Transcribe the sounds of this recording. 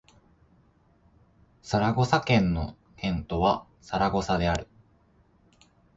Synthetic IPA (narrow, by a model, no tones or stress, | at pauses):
saɾaɡo̞sakẽ̞nːo̞ | hẽ̞nt̪o̞βa | saɾaɡo̞sad̪e̞aɾɯ̟̥